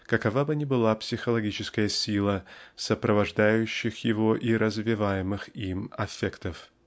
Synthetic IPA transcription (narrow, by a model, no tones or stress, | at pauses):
kɐkɐvabɨnʲɪbɨlˠapsʲɪxəlˠɐɡʲit͡ɕɪskəjəsʲilˠəsəpɾəvɐʐd̪ajʉɕːɪxjɪvoʔiɾəzvʲɪvajɪmɨximɐ̰fʲekt̪əf